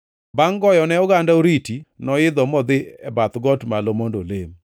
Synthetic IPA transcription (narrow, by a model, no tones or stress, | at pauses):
baŋɡɔjɔnɛʊɡandaoɾitinɔɪd̪ɔmɔd̪ɪɛbat̪ɡɔtmalomondolem